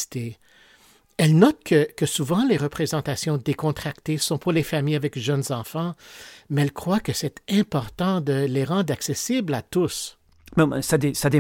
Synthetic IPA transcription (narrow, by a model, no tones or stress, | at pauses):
i̥t̪e | ɛlnɔt̪̚kʰəkəsuvɑ̃leʁəpχezɑ̃t̪asjɔ̃d̪ekɔ̃t̪χakt̪esɔ̃puʁlefamijavɛkʒœnzɑ̃fɑ̃mɛɛlkχwakəsɛt̪ɛ̃pɔʁt̪ɑ̃d̪əleʁɑ̃d̪ʁaksesiblat̪us | mɛ̃sad̪esad̪e